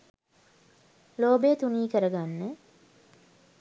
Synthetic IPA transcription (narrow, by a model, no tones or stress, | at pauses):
loːbejət̪uniːkəɾəɡanːə